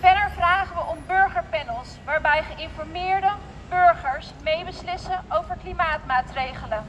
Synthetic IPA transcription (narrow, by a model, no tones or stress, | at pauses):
fɛdəɹvraːχəʋəʔɔmbøɹχəɹpɛnəlˠsʋaːɹbɛjχəʔɪnfɔɹmɪːɹdə | bøɹχəɹsmejbəslɪsəowvəɹklimaːtmaːtrejχələ